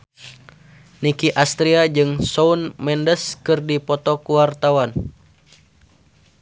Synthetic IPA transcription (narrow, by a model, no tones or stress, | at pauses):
nikiʔast̪ɾiad͡ʒɨŋsɔunmɛndəskɨrdipɔt̪ɔkuwart̪awan